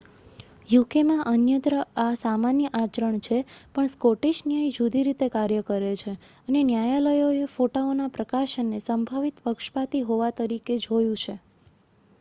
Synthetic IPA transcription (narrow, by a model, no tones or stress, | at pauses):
jukemãʔənjəd̪ɾəasamanjəʔat͡ʃɾəɳt͡ʃʰepəɳskoʈeʃnjəjd͡ʒud̪iɾit̪ekaɾjəkəɾet͡ʃʰeənenjajaləjoefoʈaonapɾəkaʃənːesəmbʱaʋit̪pəkʃpat̪iɦoʋat̪əɾiked͡ʒojũt͡ʃʰe